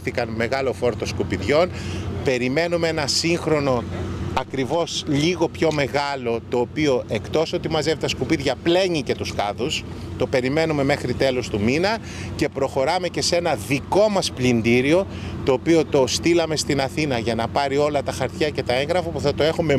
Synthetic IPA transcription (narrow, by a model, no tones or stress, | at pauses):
θikɐnme̞ɣɐlo̞fo̞ɾt̪oskupiðʝo̞npe̞ɾime̞numeenɐsiŋxɾo̞no̞ɐkɾivo̞sʎiɣo̞pço̞me̞ɣɐlo̞t̪o̞ːpio̞ʔe̞kt̪o̞so̞t̪imɐze̞vit̪ɐskupiðʝɐple̞ɲice̞t̪uskɐðus | t̪o̞pe̞ɾime̞nume̞me̞xɾit̪e̞lo̞st̪uminɐ | ce̞pɾo̞xo̞ɾɐme̞ce̞se̞nɐðiko̞mɐsplind̪iɾio̞ | t̪o̞ːpio̞t̪o̞st̪ilɐme̞st̪inɐθinɐʝɐnɐpɐɾio̞lɐt̪ɐxɐɾt̪çɐce̞t̪ɐe̞ŋɣɾɐfɐpuθɐt̪o̞e̞xume